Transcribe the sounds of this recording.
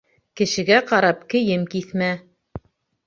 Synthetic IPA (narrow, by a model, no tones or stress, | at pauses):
kɘ̆ʃɘ̆ɡæqɑɾɑp̚kɘ̆jɘmkiθmæ